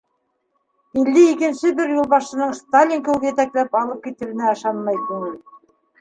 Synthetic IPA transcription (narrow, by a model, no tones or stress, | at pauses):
ilːɘikɘ̆nʃɘbɘɾjulˠβɑʃɤ̆nɤɴst̪alʲːiŋkɵwɡɘjɘt̪æklæpɑlˠɤp̚kit̪ɘ̆wɘ̆næɤ̆ʃɑnmɑjt̪ʉŋɘl